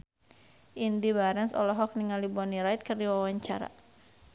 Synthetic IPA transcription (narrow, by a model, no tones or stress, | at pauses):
ʔindibaɾɛnsɔ̰lɔɦɔk̚niŋalibɔniɾajt̪̚kərdiwawaɲt͡ʃa̰ɾa̰